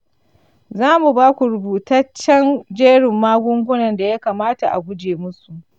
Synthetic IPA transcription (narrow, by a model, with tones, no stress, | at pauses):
zaː˦mu˨baː˦kʷu˨ɾʊ˨buː˨tɐ˦t͡ʃːɐ˦nd͡ʒeː˦ɽɪ˨mːaː˦ɡʷʊ˦ŋɡʷʊ˦nɐ˨nda˨ja˦kaː˨maː˦ta˨ʔa̰˨ɡʷʊ˦d͡ʒeː˨mʊ˦su˨ʔ